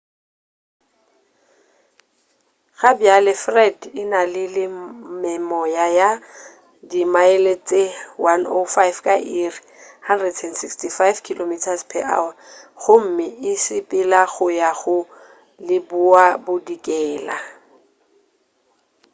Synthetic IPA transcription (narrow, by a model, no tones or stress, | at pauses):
ɣabjalɪfrɛdɪnalɪlɪmɛmɔjaja | dimaɪlet͡sʼewano̰fajfkʼaʔiri | handrɛdsɛndsikstʰifajvkʰilomitʰaspʰɛʔa̰wɣʊm̩mɪɪsɪpʼɪlaɣʊjaɣʊ | lɪbʊabʊdikʼɛːla